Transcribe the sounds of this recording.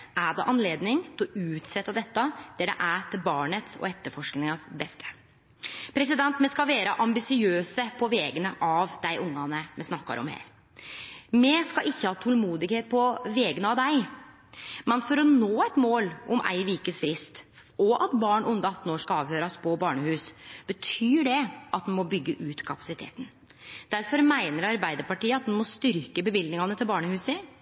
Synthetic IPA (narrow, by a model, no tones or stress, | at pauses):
æɖɛ̰ʔɑnleːd̪nɪŋt̪ʰɔʉːt̪sɛt̪ːəd̪ɛt̪ːɑd̪̥æɖɛ̰ʔæʈ̪ʰɪlbɑːɳət̪sɔ̰ɛt̪ːəɾfɔʂknɪŋɑsbɛst̪ʰə̥ | pʰɾɛs̬ɪd̪ɛnt̪mɛskɑʋeːɾəʔɑmbɪsɪøːsəpʰɔʋɛːɡənəʔɑʋd̪æɪʔʊŋːɑnəmɛsnɑkːɑ̰ɾʔɔ̰mhæ̰ːɾ | mɛskɑʔɪçːəhɑːt̪ʰɔlmuːd̪ɪɡheːt̪̚pʰɔʋeːɡənəɑʋd̪æɪ | mɛnfɔɾɔnoːæt̪moːlʔɔmʔæ̰ɪʋikəsfɾɪst̪ | ɔʔɑt̪bɑːɳʔʊnd̪əɑt̪ːn̩oːʂkɑɑːʋhøːɾɑspʰɔbɑːɳəhʉːsb̥ət̪ʰyːɖɛʔɑt̪̚d̪nmɔbʏɡːəʔʉːt̪kʰɑpɑ̥sɪt̪ʰḛːt̪ən̩ | d̪̥æɾfɔɾmæɪnəɾɑɾbæɪd̪əɾpɑʈiːəɑt̪̚d̪ɛnmɔst̪ʏɾkəbəʋɪld̪nɪŋɑnət̪ʰɪlbɑːɳəhʉːsə